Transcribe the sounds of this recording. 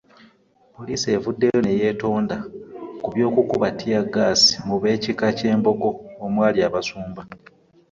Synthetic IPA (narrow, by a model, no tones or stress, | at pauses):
po̞liːsie̞ːvudːe̞jo̞ne̞je̞ːto̞ːndakuβjo̞ːkukuβatʰːijaɡːaːsi̥muβe̞ːcikace̞ːmbo̞ɡo̞ːmwaːliaːβasuːmbab